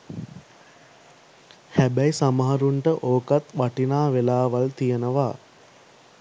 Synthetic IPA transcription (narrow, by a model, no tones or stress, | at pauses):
hæbæjsaməɦaɾuɳʈəʔoːkat̪ʋaʈinaːʋelaːʋalt̪ijənəʋaː